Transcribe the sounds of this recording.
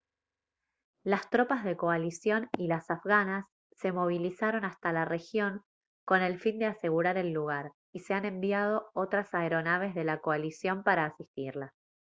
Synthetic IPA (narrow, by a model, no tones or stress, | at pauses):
last̪ɾo̞pazðe̞ko̞alisjo̞nilasafɣanasː | e̞mo̞β̞ilisaɾo̞nast̪alare̞xjo̞ŋ | ko̞ne̞lfind̪ease̞ɣuɾaɾe̞lːuɣ̞aɾ | ise̞anẽ̞mbjað̞o̞ot̪ɾasaeɾo̞naβ̞e̞zðe̞lako̞alisjo̞mpaɾaːsist̪iɾla